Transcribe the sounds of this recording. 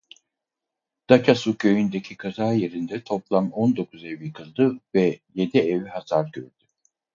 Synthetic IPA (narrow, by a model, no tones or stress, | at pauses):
d̪̥acʰasucʰø̞jynd̪ecʰikʰazaːje̞ɾind̪ɛt̪ʰo̞plˠamond̪o̞kʰuzevjikʰɯlˠd̪ɯvɛje̞d̪ieviɦasaɾɟøɾd̪̥y